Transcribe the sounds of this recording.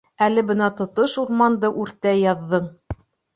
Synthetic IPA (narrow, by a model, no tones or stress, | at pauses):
ælɘbɤ̆nɑt̪ŏt̪oʃuɾmɑnd̪ɤʔʉɾt̪æjɑðːɤɴ